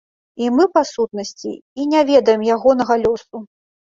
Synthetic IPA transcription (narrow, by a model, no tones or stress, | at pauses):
imɨpasut̪̚nɐsʲt͡sʲḭinʲavʲɛd̪ɐjɛmjaɣɔnɐɣɐlʲɔsu